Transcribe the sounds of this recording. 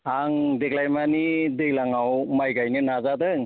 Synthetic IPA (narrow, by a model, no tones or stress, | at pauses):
aŋdeɡlajmanidɯjlaŋawmajɡajnɯnazadɯŋ